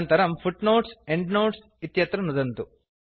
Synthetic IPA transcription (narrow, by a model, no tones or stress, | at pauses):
nt̪ɐɾɐmpʰuʈnoːʈseɳɖnoːʈs | it̪jɐt̪ɾɐnud̪ɐnt̪u